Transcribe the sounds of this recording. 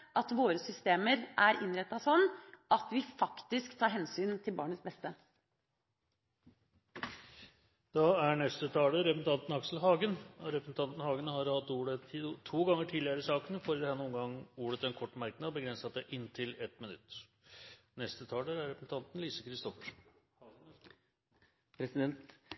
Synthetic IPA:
ʔɑt̪ʋoːɾəsʏst̪eːməɾʔæɾʔɪnɾɛt̪ːɑsɔnːʔɑt̪ʋɪfɑkt̪ɪskt̪ʰɑːɾɦɛnsyːnt̪ʰɪlbɑ̰ːɳət̪sbɛst̪ə | d̪̥ɑæɳɛst̪ət̪ʰɑːləɾɛpɾəsn̩ɑnt̪n̩ɑksl̩ɦɑːɡənɔɾɛpɾəsn̩t̪ʰɑnt̪n̩hɑːɡənəhɑɾhɑt̪ːuːɽət̪ʰuːɡɑŋːəʈʰiːd̪lɪəɾəsɑːkənəfɔɾd̪ɛhɛnːuːənɡɑŋːuːɽət̪ɛnkʰɔʈːmæɾknɑd̪bəɡɾɛnsɑt̪̚d̪ɛʔɪnːt̪ʰɪlɛt̪mɪnʉ̰t̪ː | nɛst̪ət̪ʰɑːləɾæɾɾɛpɾəsn̩t̪ʰɑnt̪n̩liːsəkʰɾɪst̪ɔfəʂ | pʰɾɛsɪd̪ɛnt̪

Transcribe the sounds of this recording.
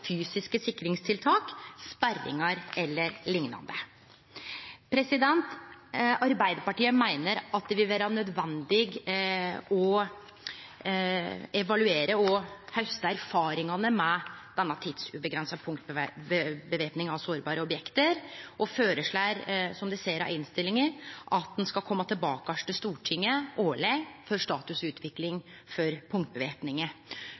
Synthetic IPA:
fyːsɪskəsɪkːɾɪŋst̪ʰɪlt̪ʰɑːkspærːɪ̰ŋɑɾɛlːəɾlɪŋnɑ̰nd̪ə | pʰɾɛsɪd̪ɛnt̪ | ɑɾbæɪd̪əɾpɑʈiːəmæɪnəɾɑt̪̚d̪ɛʋɪlʋæːɾɑnœd̪ʋɛnd̪ɪɡ | ɔ | ɛʋɑlʉeːɾəɔhœst̪əæɾfɑːɾɪŋɑnəmɛd̪̥ɛnːɑt̪ʰiːd̪̥sʉbəɡɾɛnsəpʰʊŋt̪̚bbəbəʋeːpnɪŋɑʋsoːɾbɑːɾəɔbjɛkt̪əɾʔɔføːɾəʂɭæːɾsɔmd̪ɛseːɾɑ̰ɪnst̪ɪlːɪŋəɾʔɑt̪̚d̪ɛnskɑlkʰɔmːət̪ʰɪlbɑːkɑʂʈəst̪uːʈʰɪŋːəʔoːɭɛɡfɔɾʂt̪ɑːt̪ʉsʉːt̪ʰʋɪklɪŋ | fɔɾpʰʊŋkt̪̚bəʋeːpnɪŋə

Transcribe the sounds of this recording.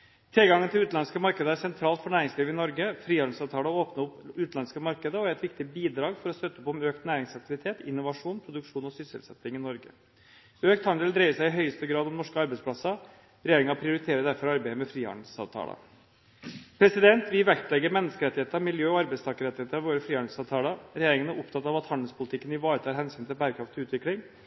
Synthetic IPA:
t̪ʰɪlɡɑŋːənt̪ʰɪlʉːt̪lɑnskəmɑɾkəd̪əæsɛnt̪ʰɾɑːlt̪fɔɳæːɾɪŋsliːʋɪnɔɾɡəfɾiːɑɖ̪əsɑːʋt̪ʰɑːləoːpnəʊpːʉːt̪ɑnskəmɑɾkəd̪əɔæɾɛt̪ʋɪk̚t̪ɪbiːd̪ɾɑːɡfɔɾɔst̪œt̪ːəɔpɔmøːkt̪næːɾɪŋsɑk̚t̪ɪʋɪt̪ʰeːt̪ɪnːʊʋɑʂuːnpʰɾʊd̪ʉkʂuːnɔsʏsə̰lsɛ̰t̪ːɪŋɪnɔɾɡə̰ | øːkt̪hɑnd̪ɛld̪ɾeɪəsæɪɪɦœʏəst̪əɡɾɑːd̪ɔmnɔʂkəɑɾbɛɪspʰlɑsɑ | ɾɛjeːɾɪŋɑpʰɾɪʊɾɪt̪ʰeːɾəd̪æɾfɔɾɑɾbæɪəmɛfɾiːɑ̰nd̪l̩sɑ̰ːʋt̪ʰɑ̰ːlə̰ | pʰɾɛsɪd̪ɛnt̪ʋɪʋækt̪lɛɡːəɾmɛnːəskəɾɛt̪ːɪheːt̪əɾɑmɪljøːɔɑɾbæst̪ʰɑːkəɾɛt̪ːɪheːt̪əɾɑʋoːɾəfɾiːɑn̩sɑːʋt̪ʰɑːlɑɾɛjeːɾɪŋənæɾʔʊpt̪ʰɑt̪ːɑʋɑt̪hɑnd̪əlspʰʊlɪt̪ʰɪkːənɪʋɑːɾət̪ʰɑːɾɦɛnsyːnt̪ʰɪlbæːɾəkʰɾɑft̪ʰɔʉːt̪ʋɪklɪŋ

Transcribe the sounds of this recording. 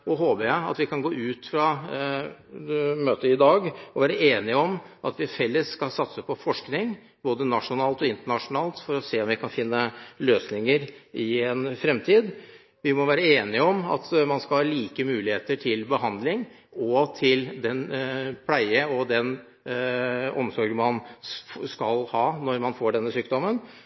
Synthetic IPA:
ɔɦoːbəɾjæɪɑ̰t̪ʋɪkɑnɡoːʉːt̪fɾɑ | møːt̪əɪd̪ɑːɡɔʋæːɾəeːnɪɔmʔɑt̪ʋɪfɛlːəsskɑlsɑt̪səpʰɔfɔʂknɪŋ | b̥oːd̪ənɑʂʊnɑːlt̪ɔɪnt̪əɳɑʂʊnɑːlt̪fɔɾɔseːɔmʋɪkʰɑnfɪnːəløːsnɪŋəɾɪɛnfɾɛmt̪ʰiːd̪ | ʋɪmɔʋæːɾəeːnɪɔmɑ̰t̪mɑnskɑlhɑːliːkəmʉːlɪheːt̪əʈʰɪlbəɦɑnd̪lɪŋ | ɔt̪ʰɪld̪ɛnpʰlæɪəɔd̪ɛn | ɔmsɔɾɡmɑnskɑlhɑːnɔɾmɑnfoːɖɛnːəsyːk̚d̪ɔmən

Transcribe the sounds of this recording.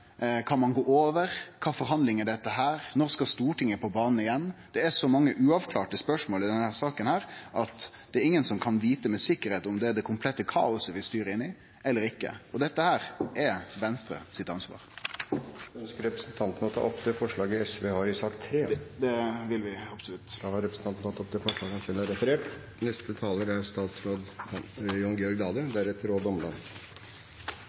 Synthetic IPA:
kʰɑnmɑnɡoːoːʋəɾkʰɑːfɔɾɦɑnd̪lɪŋɛɖɛt̪ːəɦæːɾnɔɾskɑst̪uːʈɪŋːəpʰɔbɑːnən̩ɪjɛnːd̪̥ɛɛʂɔmɑŋːəʔʉːɑʋkʰlɑːʈəspœʂmoːlɪd̪ɛnhæːɾsɑːkənhæːɾʔɑt̪d̪ɛæɾɪŋːənsɔmkʰɑnʋiːt̪əmɛsɪkːəɾheːt̪ɔmd̪ɛd̪ɛkʰʊmpʰlɛt̪ːəkʰɑ̰ːʊsəʋɪst̪yːɾəɪnːɪ | ɛlːəɾɪkːə̰ɔd̪ɛt̪ːəhæːɾʔɛʋɛnst̪ɾə̰sɪt̪ɑnsʋɑ̰ːɾ | œnskəɾɛpɾəsnt̪ʰɑnt̪ənəɔt̪ʰɑ̰ːʔɔpːd̪ɛfɔʂɭɑːɡəɛsʋehɑɾɪsɑkt̪ʰːɾeːd̪ɛʋɪlʋɪɑpsʊlʉt̪ːd̪ɑhɑɾɛpɾəsn̩t̪ɑnn̩t̪ʰɑt̪ːɔp̚d̪ɛfɔʂɭɑːɡɔmsɪlɑɾɛfəɾeːʈ | nɛst̪ət̪ʰɑːləɾæɾst̪ɑːt̪sɾoːd̪ | jɔŋɡɛɔɾɡd̪ɑːd̪əd̪æɾɛt̪ːəɾoːd̪ɔmlɑn

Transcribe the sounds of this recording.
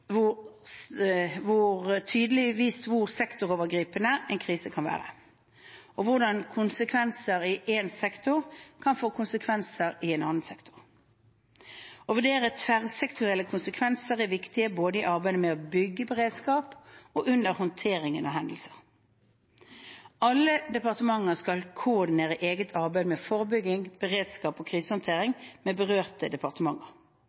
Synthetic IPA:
ʋʊ | ʋʊʁt̪ʰyːd̪əlɪʋiːsʋʊʁsɛkt̪ʊʁoːʋəɡʁiːpənəɛɪnkʰʁiːsəkʰɑnʋæ̰ːʁə̰ | ɔʋʊʁd̪ɑnkʰʊnsəkʰʋɛnsəɾɪʔensɛkt̪ʊʁkʰɑnfoːkʰʊnsəkʰʋɛnsəɾɪɛnɑnːənsɛkt̪ʰʊ̥ʁ | ɔʋʉʁd̪eːʁət̪ʰʋæʁsɛkt̪ʰʊʁɛlːəkʰʊnsəkʰʋɛnsəʁɛʋɪkt̪ɪəboːd̪əɪʔɑʁbæɪd̪əmɛɔbʏɡːəbəʁeːd̪skɑːpɔʔʉnd̪əʁhɔnt̪ʰeːʁɪŋənɑ̰ɦɛnd̪l̩sə̥ʁ | ɑlːəd̪ɛpɑʁt̪əmɑŋːəʁskɑlkʰʊʊʁd̪ɪneːʁəʔeːɡət̪ʰɑʁbæɪd̪əmɛfɔʁəbʏɡɪŋb̥əʁeːd̪skɑːpɔːkʰʁiːsəhɔnt̪ʰeːʁɪŋmɛbəʁøːʁt̪əd̪ɛpɑʁt̪əmɑŋːə̰ʁ

